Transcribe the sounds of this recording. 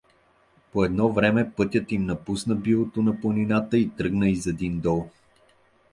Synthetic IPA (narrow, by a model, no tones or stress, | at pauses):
poɛd̪nɔvɾɛmɛpɤt̪ʲət̪imnɐpusnəbilˠot̪onɐplˠonʲinat̪əit̪ɾɤɡnəizɛd̪ind̪ɔlˠ